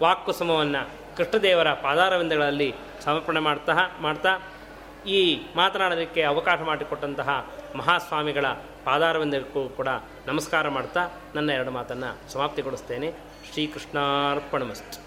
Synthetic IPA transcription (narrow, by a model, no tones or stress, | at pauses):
ʋaːkːusɐmɐʋɐnːɐ | kɾiʂɳɐd̪ɛːʋɐɾɐpaːd̪aːɾɐʋɐnd̪ɐɡɐɭɐlːi | sɐmɐɾpɐɳemaːɽt̪ɐɦɐmaːɽt̪aː | iːmaːt̪ɐnaːɽɐd̪ikːeɐʋɐkaːʃɐmaːɽikoʈːɐnt̪ɐɦɐmɐɦaːsʋaːmiɡɐɭɐ | paːd̪aːɾɐʋɐnd̪ɐɡɐkːukuːɽɐ | nɐmɐskaːɾɐmaːɽt̪aː | nɐnːɐɛɾɐɽumaːt̪ɐnːɐsɐmaːpt̪iɡoɽust̪e̞ːne̞ | ʃɾiːkɾuʂɳaːɾpɐɳɐmɐsʈ